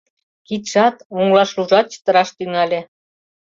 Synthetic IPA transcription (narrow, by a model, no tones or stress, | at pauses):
kit̪ʃɑt̪oŋlɑʃluʒɑt̪̚t͡ɕə̥t̪ə̆ɾɑʃt̪yŋɑlʲĕ